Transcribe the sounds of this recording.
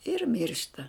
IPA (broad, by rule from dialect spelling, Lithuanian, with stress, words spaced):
ɪr ˈmʲɪrʃtɐ